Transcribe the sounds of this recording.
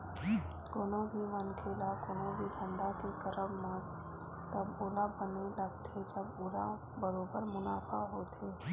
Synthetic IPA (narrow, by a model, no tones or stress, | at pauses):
koːnobʱimənkʰeːlakoːnõbʱid̪ʱə̃nd̪akekəɾəmːã | t̪əbʊlabənelɐɡt̪ʰed͡ʒəbʊla | bəɾoːbəɾmʊnaːfʰaɦoːt̪ʰeː